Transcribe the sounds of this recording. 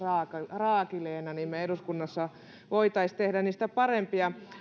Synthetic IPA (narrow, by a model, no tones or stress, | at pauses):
ɑːkrɑːkileːnɑniːmmeeduskunːɑsːɑ | ʋoit̪ɑist̪ehdæniːst̪æpɑrempiɑ